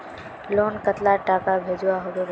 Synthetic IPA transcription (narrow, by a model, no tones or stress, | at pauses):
loːnkət̪laʈaːkabʱeːd͡ʒuwaɦoɡeb